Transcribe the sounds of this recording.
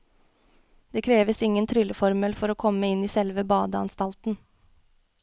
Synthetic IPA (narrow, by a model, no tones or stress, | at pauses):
d̪̥eːkʰɾeːʋəsɪŋənt̪ʰɾʏləfɔɾməlfɔɾoːkʰɔmːəɪniːsɛlʋəbɑːd̪əɑ̰nst̪ɑlt̪n̩